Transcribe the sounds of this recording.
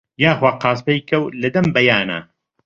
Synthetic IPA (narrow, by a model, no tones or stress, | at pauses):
jaːxwaːqaːs̬pejkʰɐwlɐd̪ɐmbɐjaːna̰